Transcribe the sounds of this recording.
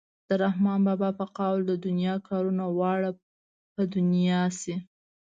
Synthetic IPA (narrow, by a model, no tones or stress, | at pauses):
d̪̥əɾahmɑnbɑbɑpəqawld̪əd̪ʊnjɑkʰɑɾunawɑɽa | pəd̪ʊnijɑsi